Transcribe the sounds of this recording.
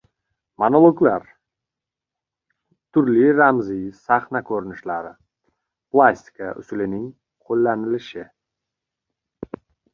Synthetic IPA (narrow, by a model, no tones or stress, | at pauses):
monolˠoɡlaɾ | t̪ʰʊɾliɾamzisaχnakʰɵɾɪnɪʃlaɾɪ | pʰlˠasʲt̪ɪ̥kʰaʔʊ̰sʊlɪnɪŋ | qʰolːanɪlɪʃɪ